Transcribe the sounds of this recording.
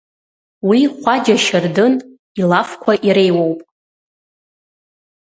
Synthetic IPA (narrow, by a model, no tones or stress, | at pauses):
wiχʷad͡ʒaʃardɨn | ilafkʷʰaʔiɾe̞jwowpʼ